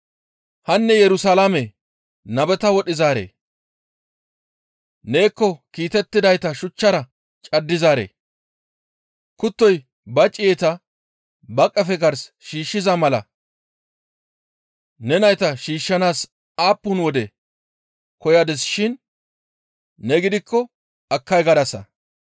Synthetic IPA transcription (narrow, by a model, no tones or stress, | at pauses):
hɐnːɛjɛɾʊsalamɛ | nɐbɛt̪ɐwɔɗɪzaːɾḛː | neːkːɔkiːt̪ɛt̪ːɪd̪ɐjt̪ɐʃʊt͡ʃːɐɾɐ | t͡ʃʼɐd̪ːɪzaːɾḛː | kʊt̪ːɔj | bɐt͡ʃʼɪjɛt̪ɐ | bɐkʼːɐfɛɡɐɾsʃiːʃːɪzɐmɐlɐ | nɛnɐjt̪ɐʃiːʃːɐnaːs | aːpːʊnwɔd̪ɛ | kɔjɐd̪ɛsʃɪn | nɛɡɪd̪ɪkʰːɔ | ɐkːɐjɡɐd̪ɐsɐ̰